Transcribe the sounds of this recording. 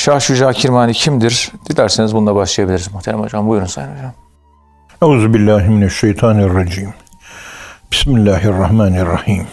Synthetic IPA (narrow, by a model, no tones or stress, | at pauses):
ʃahʃud͡ʒaːcʰiɾmaːnicʰimd̪iɾd̪̥ilʲæɾsinizbund̪abaʃlˠajabilʲiɾizmuxt̪ʰeɾæ̰mo̰d͡ʒambujuɾunsa̰janod͡ʒam | ʔauːzubilːaːɦminaʃːejt̪ʰɑːnarˤːɑd͡ʒiːm | b̥i̥smilːaːɦɑrˤːɑhmaːnrːɑhiːm